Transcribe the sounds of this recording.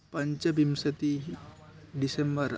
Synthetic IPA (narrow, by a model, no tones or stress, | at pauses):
paɲt͡ʃabimsət̪i | disɛmbər